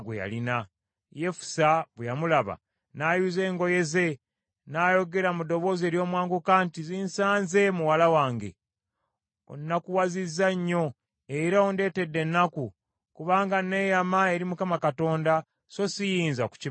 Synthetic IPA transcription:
ɡwḛja̰lina | je̞fu̥saβwejamulaβa̰ | naːjuze̞ːŋɡo̞je̞ze̞ | naːjo̞ɡe̞ɾamudo̞βo̞ːze̞ːɾjo̞ːmwaːŋɡukaːntiziːnsaːnze̞muwalawaːŋɡe̞̰ | o̰nːakuwazizːaɲːo̞ | eiɾao̞nde̞ːte̞dːe̞nːaku | kuβaːŋɡane̞ːjamae̞ɾimukamakato̞ːnda | so̞sijiːnzaku̥ci

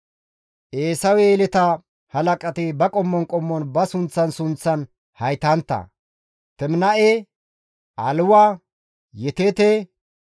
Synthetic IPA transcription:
ʔeːsɐwɛlɛt̪ɐ | hɐlɐkʼɐt̪ɪbɐkʼɔmːɔnkʼɔmːɔnbɐsʊnt͡sːɐnsʊnt͡sːɐn | hɐjt̪ɐnt̪ːɐ̰ | t̪ɛmnɐʔe | ʔɐlʊwaː | jɛt̪et̪e

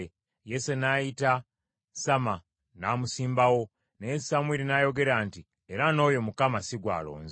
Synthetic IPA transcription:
jesenajita | sama | namusiːmbawo̞ | nesamwiɾinajo̞ɡe̞ɾaːnti | e̞ɾano̞ːjo̞mukamasiɡwa̰ːlo̞̰ːnze

